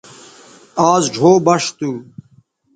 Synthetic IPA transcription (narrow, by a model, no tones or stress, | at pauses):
aːzɖʱoːbɐʂt̪uː